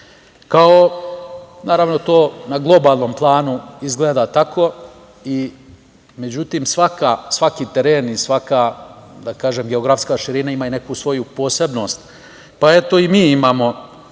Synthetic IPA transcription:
kao | naːɾaʋno̞t̪o̞ːnaɡlˠo̞baːlˠno̞mplˠaːnuizɡleːd̪at̪akʰo̞ | i | me̞d͡ʑut̪iːmsʋakasʋakiːt̪eɾeːnisʋakad̪akaːʒeːmɡeoɡɾafskaːʃiɾinaimaine̞kusʋo̞jupo̞ːse̞bno̞ːst̪ | pae̞t̪o̞imiːimaːmo̞

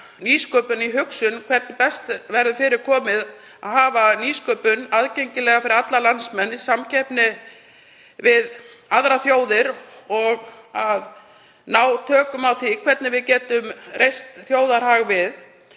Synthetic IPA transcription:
niːskœːpʏniɦʏksʏnkʰvɛɾt̪nɪpɛst̪vɛɾðʏfɪɾɪɾ̥kʰɔːmɪð | aðɦaːvaniːskœːpʏnaðcejɲcɪlɛːɣafɪɾɪɾat̪lalansmɛnːɪsamcʰɛpnɪ | vɪðaðɾaθjoːwðɪɾɔɣað | naːwt̪ʰœːkʏmawθikʰvɛɾt̪nɪvɪðcɛːt̪ʏmrʔejst̪θjoːwðaɾ̥haɣvɪð

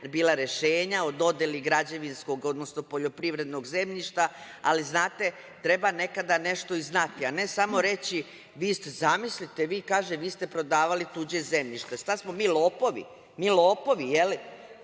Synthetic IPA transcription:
biːlˠaɾe̞ʃeːɲaod̪o̞d̪eliɡɾad͡ʑeʋinsko̞ɡo̞d̪no̞snopo̞ʎo̞pɾiʋɾe̞d̪no̞ɡze̞mʎiʃt̪a | aliznaːt̪e̞ | t̪ɾe̞bane̞kad̪ane̞ʃt̪o̞iznat̪iane̞samo̞ɾe̞t͡ɕi | ʋiːst̪ezamislit̪e̞ʋiːkaːʒeʋiːst̪e̞pɾo̞d̪aːʋalit̪ud͡ʑeze̞mʎiʃt̪est̪asmo̞miːloːpo̞ʋḭ | miːlˠoːpo̞ʋijeli

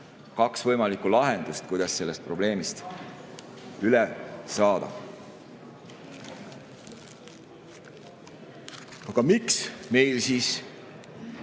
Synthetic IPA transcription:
kɑksvɤjmɑlikːˑulɑɦe̞nd̪̥ust̪̚kujd̪̥ɑsse̞lːe̞st̪̚pro̞ble̞ːmist̪ | ylɛsɑːd̪̥ɑ̰ | ɑɡ̥ɑmiksmejlsis

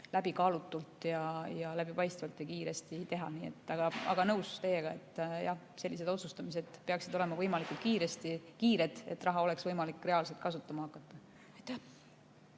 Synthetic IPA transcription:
læb̥ikɑːlut̪ːˑult̪jɑjɑlæb̥ipɑjst̪vɑlt̪jɑkiːɾe̞st̪it̪e̞ɦɑ̰niːe̞̰t̪ːˑɑɡ̥ɑɑ̰ɡɑnɤwst̪e̞jeɡ̥ɑe̞t̪ːˑjɑ̰h | se̞lʲːise̞d̪̥o̞t̪sust̪ɑmis̬e̞d̪̥peɑksid̪̥o̞lemɑvɤjmɑlikult̪̚kiːɾest̪ikiːɾe̞d̪̥e̞̰t̪ːˑrɑɦɑo̞le̞ksvɤjmɑlikːre̞ɑːlset̪̚kɑsut̪ˑːɑmɑɑkːˑɑt̪ˑːɑ | ɑjt̪ːæh

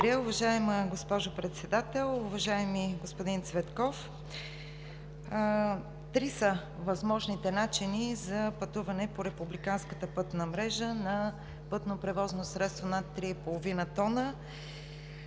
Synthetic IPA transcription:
ɾʲjəʊvɐʒaɛməɡospɔʒopɾɛt̪sɛd̪at̪ɛlˠʊvɐʒaɛmiɡospod̪int̪svɛt̪kɔf | t̪ɾisə | vɐzmɔʒnit̪ɛnat͡ʃinizɐpɐt̪uvɐnɛpoɾɛpublikanskət̪əpɤt̪nəmɾɛʒənɐ | pɤt̪nopɾɛvɔznosɾɛt̪st̪vonat̪ːɾiɛpolˠovinət̪ɔnə

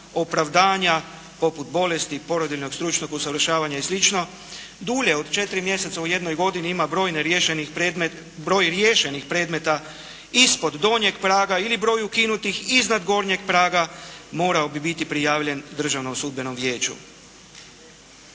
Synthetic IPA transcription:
opɾaʋd̪aːɲa | po̞put̪̚bo̞le̞st̪ipo̞ɾod̪ilno̞ɡst̪ɾut͡ʃnoɡusaʋr̩ʃaːʋaɲaeslit͡ʃno̞ | d̪uːʎe̞od̪t͡ʃe̞t̪ɾimje̞se̞t̪sauje̞d̪nojɡo̞d̪iniimabɾo̞ːjneɾjeʃenieme | bɾo̞ːjɾje̞ːʃe̞nixpɾe̞ːd̪me̞t̪a | ispo̞d̪d̪o̞ɲeɡpɾaːɡailibɾo̞ːjuukinut̪ixiznad̪ɡo̞ːɾɲeɡ̚pɾaːɡamo̞ːɾaobibit̪ipɾijaːʋʎe̞nd̪r̩ʒaʋnomsud̪̚be̞no̞mʋje̞ːt͡ʃṵ

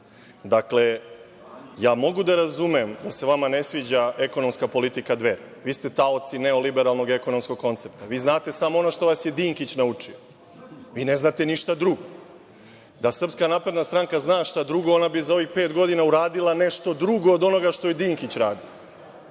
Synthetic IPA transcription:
d̪akle̞ | jaːmo̞ɡud̪aɾazumemd̪ase̞ʋamane̞sʋiːd͡ʑae̞ko̞no̞mskapo̞lit̪ikad̪ʋeɾa | ʋiːst̪e̞t̪aot̪sineolibeɾalˠno̞ɡe̞ko̞no̞msko̞ɡko̞nt̪se̞p̚t̪aʋiːznaːt̪e̞samoo̞noʃt̪o̞ʋasjed̪iːŋkit͡ɕnaut͡ʂio | ʋiːne̞znaːt̪e̞niʃt̪ad̪ɾuɡo | d̪asr̩pskanaːpɾe̞d̪nast̪ɾaŋkaznaːʃt̪ad̪ɾuɡo̞onabizao̞ʋixpeːt̪ɡo̞d̪inauɾaːd̪ilˠane̞ʃt̪o̞d̪ɾuɡo̞ːd̪o̞no̞ɡaʃt̪o̞jed̪iːŋkit͡ɕɾaːd̪ia

